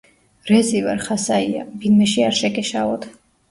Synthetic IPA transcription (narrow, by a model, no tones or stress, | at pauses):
ɾɛzivaɾχasaia̰binmɛʃiaɾʃɛkʼɛʃaɔt̪ʰ